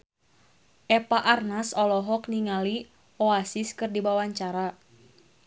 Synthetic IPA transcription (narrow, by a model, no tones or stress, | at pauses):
ʔɛpaʔarnasɔlɔɦɔkniŋali | oasiskɨrdibawaɲt͡ʃaɾa